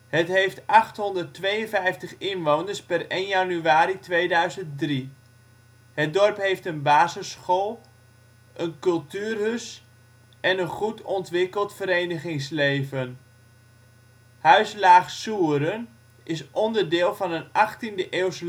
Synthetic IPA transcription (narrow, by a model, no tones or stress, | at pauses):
hətɦejftɑχtɦɔndərtʋejənfɛjftəχɪnʋownərspɛrejnjanyaːɾitʋejdœɥzənt̚dri | hət̚dɔrpɦejftənbaːzəsχolˠ | ʔənkɵlˠtyːrɦøs | ʔɛnənχutɔntʋɪkəlˠtfəɾejnəχɪŋslejvən | hœɥslaːχsuːəɾən | ʔɪsʔɔndərdɪːlˠvɑnənɑχtindəʔeːws